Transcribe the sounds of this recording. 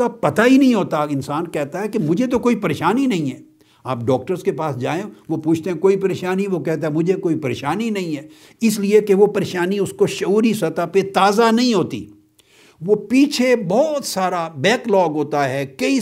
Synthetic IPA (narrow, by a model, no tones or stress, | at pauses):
apɐt̪aɦinɐɦĩɦoːt̪aɪnsaːnkɛɦt̪aɦɛkemʊd͡ʒʱet̪̬okoːipɐɾeːʃaːninɐɦĩɦɛː | aːp̚ɖɔːk̚ʈəɾzkepaːsd͡ʒaːẽʋopuːt͡ʃʰt̪ẽɦɛ̃koːipɐɾeːʃaːniʋokɛɦt̪aɦɛmʊd͡ʒʱekoːipɐɾeːʃaːninɐɦĩɦɛː | ɪsliekeʋopɐɾeːʃaːniʊskoʃɐuːɾisɐt̪apet̪aːzanɐɦĩɦoːt̪ḭː | ʋopiːt͡ʃʰebɔːt̪saːɾabɛːklɔːɡɦoːt̪aɦɛːkɐi